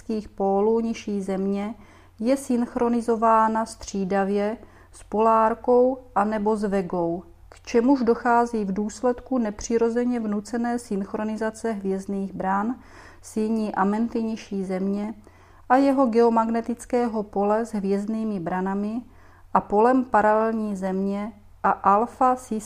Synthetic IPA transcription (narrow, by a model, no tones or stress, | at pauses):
skiːxpoːluːɲɪʃiːzɛmɲɛ | jɛsɪnxɾo̞nɪzo̞vaːnast̪r̝̥iːdavjɛ | spo̞laːɾko̞wʔanɛbo̞zvɛɡo̞w | kt͡ʃɛmuʒdo̞xaːziːvduːslɛt̪kunɛpr̝̥ɪɾo̞zɛɲɛvnut͡sɛnɛːsɪnxɾo̞nɪzat͡sɛɦvjɛzniːɣbɾan | sɪɲiːʔamɛnt̪ɪɲiʃiːzɛmɲɛ | ʔajɛɦo̞ɡɛomaɡnɛt̪ɪt͡skɛːɦo̞po̞lɛzɦvjɛzdniːmɪbɾanamɪ | ʔapo̞lɛmpaɾalɛlɲiːzɛmɲɛ | ʔaʔalfasɪ